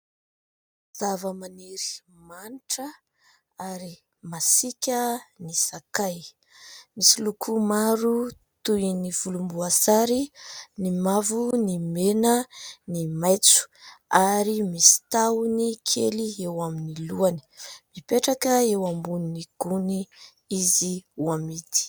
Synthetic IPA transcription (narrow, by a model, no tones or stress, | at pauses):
z̥avəmaneɾi̥ | maniʈ͡ʂə | aɾi | masikʲənisakaj | misilukʰumaɾu | t̪univ̥ulumbuasaɾinimavunimenənimajt͡su̥aɾimisi̥t̪aunikʰeliewaminiluani̥mipeʈ͡ʂakəewambuniniɡ̥uni | iziwamid̪i̥